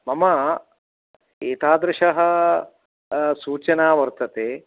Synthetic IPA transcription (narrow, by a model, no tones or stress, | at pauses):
mɐmɐ | eːt̪aːd̪ɾɪʂɐɦɐ̆ | suːt͡ʃɐnaːʋɐɾt̪ɐt̪eː